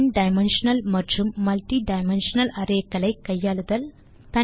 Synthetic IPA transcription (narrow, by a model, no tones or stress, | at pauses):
nɖajmenɕənəlməɾd͡ʑumːɐlʈiɖajmenɕənələɾekɐləjkːəjalud̪əl | t̪a